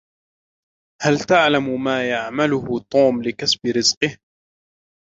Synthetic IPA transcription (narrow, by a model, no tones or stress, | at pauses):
halt̪aʕlammaːjaʕmalʊhʊt̪ˤuːmlɪkasbɪɾɪzqɨh